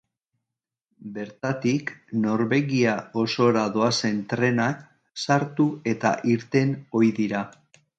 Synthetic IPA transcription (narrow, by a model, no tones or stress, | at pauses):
be̞ɾt̪at̪ikno̞ɾβe̞ɣiao̞so̞ɾaðo̞ase̞nt̪ɾe̞nak | saɾt̪ue̞t̪a̰ʔiɾt̪e̞no̞jðiɾa